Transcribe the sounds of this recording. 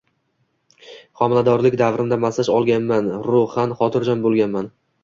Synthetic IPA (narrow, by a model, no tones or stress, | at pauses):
χɒmɪlad̪ɒɾlɪkʲd̪avɾɪnd̪amasɪʃɒlˠɡʲanmanɾʊhanχɒt̪ʰɪɾd͡ʒɒnbolˠɡʲanman